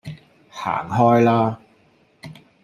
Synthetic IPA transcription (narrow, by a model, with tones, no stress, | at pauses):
ha̰ː˨˩ŋɦɔː˥jlaː˥